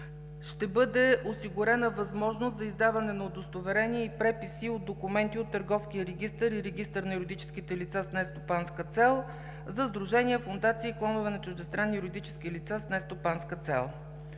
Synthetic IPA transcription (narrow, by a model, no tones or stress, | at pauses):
ʃt̪ɛbɤd̪ɛosiɡʊɾɛnəvɐzmɔʒnost̪zɐizd̪avɐnɛnɐod̪ost̪ovɛɾɛniɛipɾɛpisiod̪̚d̪okumɛnt̪iot̪ːəɾɡɔfsk̟ijəɾɛɡ̟ʲist̪əɾiɾɛɡ̟ʲist̪əɾnɐuɾod̪it͡ʃɛ̥skit̪ɛlit̪sasnɛst̪opanskət̪sɛlˠ | zɐzd̪ɾuʒɛnʲiɛfond̪at̪siːklˠɔnʊvɛnɐt͡ʃʊʒd̪ɛst̪ɾanːiuɾod̪it͡ʃɛ̥skilit̪sasnɛst̪opanskət̪sɛ̰lˠ